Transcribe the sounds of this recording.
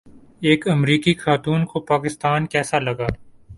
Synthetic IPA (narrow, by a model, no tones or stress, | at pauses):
eːkɐmɾiːkixaːt̪uːnkopaːkɪst̪aːnkɛːsalɐɡaː